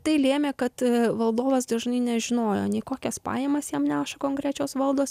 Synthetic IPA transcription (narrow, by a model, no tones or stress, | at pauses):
t̪ɐɪlʲeːmʲeːkɐt̪ʋɐlˠd̪oːʋɐsd̪ɐʒnɐɪnʲɛʒʲɪnoːjoːnʲɛɪkoːkʲɛspɑ̰ːjeːmɐsjiɛmnʲæːʃɐkoːŋkɾʲæːt͡ʃʲoːsʋɐlˠd̪oːs